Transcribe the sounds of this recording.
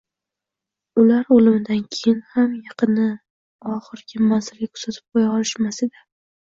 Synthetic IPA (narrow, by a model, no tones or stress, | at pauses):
ʊlaɾolɪmɪd̪ankʲʰejɪnhamjɑqʰɨnɪ | ɒχɨɾɡʲɪmanzɪlɡʲakʰʊ̥ɾz̥at̪ʰɪ̥p̚qʰojaɒlɪʃmasɪd̪a